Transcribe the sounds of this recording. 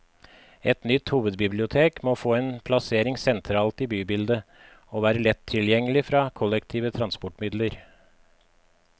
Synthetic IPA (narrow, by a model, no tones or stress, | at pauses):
ɛt̪nʏt̪huːʋəd̪bɪblɪʊt̪ʰeːkmoːfoːeːnpʰlɑseːɾɪŋsɛnt̪ʰɾɑːlt̪iːbyːbɪld̪ə | oːʋæːɾəlɛt̪ʰːɪljɛŋːəlɪfɾɑːkʰɔlɛkt̪ʰiːʋət̪ʰɾɑnspɔʈmɪd̪ləɾ